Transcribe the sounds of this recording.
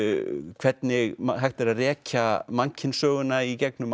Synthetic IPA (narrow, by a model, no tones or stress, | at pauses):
kʰvɛt̪̚nɪɣmaɦajxt̪ɪɾaðrɛːcamaɲcʰɪnsœːɣʏnaicɛk̚nʏm